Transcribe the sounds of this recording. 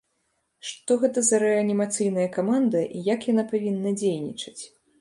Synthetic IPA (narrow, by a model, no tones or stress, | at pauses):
ʂt̪ɔɣɛt̪ɐzɐɾɛɐnʲimat̪sɨjnɐjɐkamand̪ɐʔijakjanapavʲinːɐd͡zʲejnʲḭt͡ʂɐ̥t͡sʲ